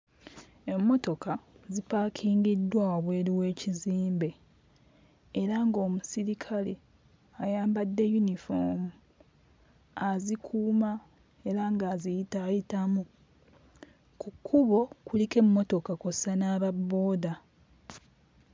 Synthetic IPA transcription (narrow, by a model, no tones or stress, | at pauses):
e̞mːo̞to̞kazipaːkʰiːŋɡidːwaoβwe̞ːɾiwe̞ːciziːmbe̞ | ɾaŋɡo̞ːmusiɾikʰalḭ | ajaːmbadːe̞junifo̞̰mu | azikʰuːma | e̞ɾaŋɡaːzijitajitamu | kukʰːuβo̞kulike̞mːo̞to̞kakosanaːβabːo̞ːda